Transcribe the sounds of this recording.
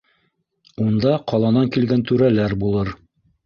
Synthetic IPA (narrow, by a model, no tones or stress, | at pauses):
und̪ɑqɑlˠɑnɑŋkilɡænt̪ʉɾælæɾbulˠɤɾ